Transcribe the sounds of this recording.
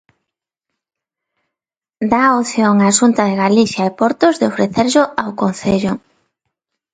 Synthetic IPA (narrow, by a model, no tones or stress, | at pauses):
d̪aoθjoŋaʃunt̪aðeɣaliθjaepɔɾt̪ʊzðeofɾeθeɾʎʊawkonθeʎʊ